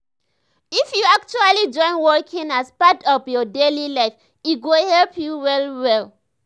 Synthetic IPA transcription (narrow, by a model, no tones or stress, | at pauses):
ifjuak̚t͡ʃualid͡ʒɔ̃ɪ̃nwɔkʰĩŋaspatɔvjɔdelilaɪf | it̚ɡohɛlpʰjuwɛlwɛl